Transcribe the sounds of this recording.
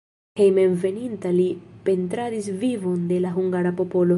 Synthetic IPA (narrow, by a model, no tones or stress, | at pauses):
hejmenve̞nintalipe̞nt̪ɾadisvivo̞nd̪e̞laɦuŋɡaɾapo̞po̞lo̞